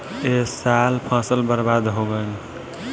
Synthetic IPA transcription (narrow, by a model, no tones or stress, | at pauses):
esalpʰãːsəlbəɾbad̪ɦoɡən